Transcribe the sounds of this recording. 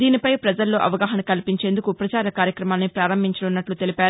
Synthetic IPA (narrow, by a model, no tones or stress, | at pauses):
d̪iːnipɐjpɾɐd͡ʒɐlːo̞ːʔɐ̰ʋɐɡaːɦɐnɐkɐlipiɲt͡ʃe̞ːnd̪ukupɾɐt͡ʃaːɾɐkaːɾjɐkɾɐmaːlnːipɾaːɾɐmbʱiɲt͡ʃɐlunːɐʈlut̪e̞lipaːɾu